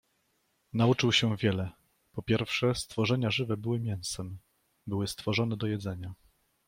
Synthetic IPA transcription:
naut͡ʂɘwɕɛvʲjɛlɛ | pɔpʲjɛɾfʂɛst̪fɔʐɛɲaʐɘvɛbɘwɘmʲjɛw̃sɛm | bɘwɘst̪fɔʐɔnɛd̪ɔjɛd̪zɛɲa

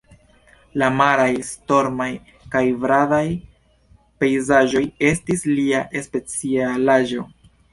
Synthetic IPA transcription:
lamaɾajsto̞ɾmaj | kajvɾaðaj | pe̞jzaʒo̞je̞stisliaʔe̞spe̞t͡sialaʒo̞

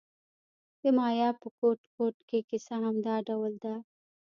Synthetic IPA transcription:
d̪əmɑjɑpəkoʈkoʈkekɪsaɦamd̪ɑɖawld̪a

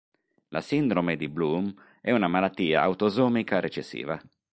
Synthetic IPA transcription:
lʔa̰sind̪ɾomed̪iblum | ɛunamalat̪ːiːa̰a̰wt̪ozɔːmikaɾet͡ʃesːḭːva

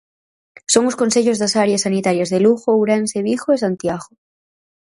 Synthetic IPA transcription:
soŋoskonseʎozðasaɾjasːanit̪aɾjazðeluxouwɾanseβ̞ixoesant̪jaɣo

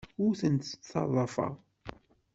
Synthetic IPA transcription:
ʊɾθənt̪θɑ̰ðˤːɑfɑ̰ʁ

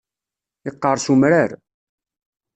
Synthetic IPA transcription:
ɪqːəɾˤsumɾaɾ

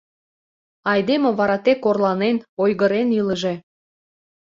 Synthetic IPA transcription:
ɑjd̪emeβɑɾɑt̪ekːorlɑnenojɣəɾeniləʒe̽

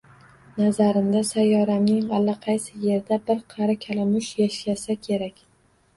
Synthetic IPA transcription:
nazaɾɪmd̪asajːɒɾamnɪŋalːaqʰɑjsɪje̞ɾd̪abɪɾqʰɑɾakʲʰalamʊʃjaʃlasakʲʰe̞ɾakʲ

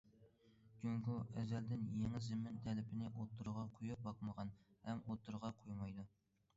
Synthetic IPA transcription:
ɡʲyŋkʲuʔɛzɛld̪ɪnjeŋɪzɪmɪnt̪ʰɛlɪpʰɪnɪʔot̪ʰːuɾʁɑqʰojup̚bɑqməʁɑnhɛmʔot̪ʰːuɾʁɑqʰojmɑjd̪u

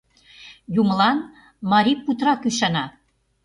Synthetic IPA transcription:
jumə̆lɑn | mɑɾʲipːut̪rɑkyʃɑnɑ

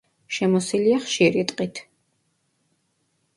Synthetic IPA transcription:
ʃɛmɔsiliaχʃiɾit̪ʼqʼit̪ʰ

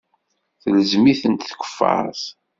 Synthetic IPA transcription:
θələzmiθənt̪θkʷə̥fːɑ̰ɾˤθ

